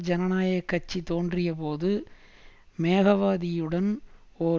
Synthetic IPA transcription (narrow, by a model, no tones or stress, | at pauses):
d͡ʒɐnɐnaːjɐkːɐt͡ʃːit̪oːndrɪjɐp̬oːðɯ | meːɣɐʋaːðɪjɯɽɐn | oː